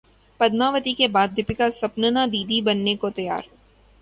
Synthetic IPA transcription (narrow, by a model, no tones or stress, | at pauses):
pɐd̪maːʋət̪ikebaːd̪ʱːɪpɪkasɐpnənad̪iːd̪ibɐnːekot̪ɐja̰ːɾ